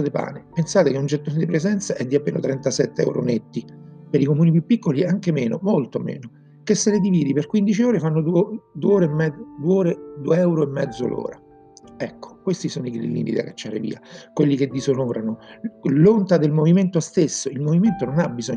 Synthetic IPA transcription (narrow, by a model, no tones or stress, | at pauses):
d̪epa̰ːnepensaːt̪ekeund͡ʒet̪ːoːned̪ipɾezɛnt̪saʔɛd̪ːiapːḛːno̰t̪ɾɛnt̪asɛt̪ːeɛ̰wɾo̰net̪ːipeɾikomuːnipjupːikːoliaŋkemeːnomolt̪omḛːno | kesːeled̪iviːd̪iperkwind̪it͡ʃioːɾefanːod̪ud̪ueoːɾemːɛd̪uoːɾed̪ueɛwɾoemːɛd̪zːo̰lʔo̰ːɾa | ɛkːo̥kwest̪isoːnoiɡlḭlːḭnḭd̪a̰kːat͡ʃːaːɾḛvḭːa̰kwelːiked̪ːizonoːɾanolont̪ad̪elmoviment̪ost̪esːoilmoviment̪ononabːizɔ